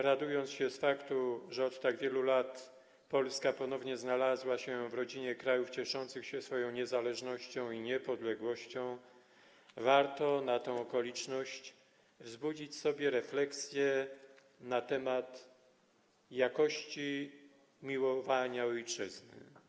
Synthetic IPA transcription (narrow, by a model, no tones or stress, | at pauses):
ɾad̪ujɔnt̪sɕɛsfakt̪uʐɛɔt̪ːaɡvʲjɛlulat̪ | pɔlskapɔnɔvɲɛznalazwaɕɛvɾɔd͡ʑiɲɛkɾajuft͡ɕɛʂɔnt̪sɘxɕɛsfɔjɔ̃w̃ɲɛzalɛʐnɔɕt͡ɕɔ̃w̃iɲɛpɔd̪lɛɡwɔɕt͡ɕɔ̃w̃ | vaɾt̪ɔnat̪ɔ̃w̃ɔkɔlʲit͡ʂnɔɕt͡ɕ | vzbud͡ʑit͡ɕsɔbʲjɛɾɛflɛksʲjɛ | nat̪ɛmat̪ | jakɔɕt͡ɕi | mʲiwɔvaɲaɔjt͡ʂɘ̰znɘ̰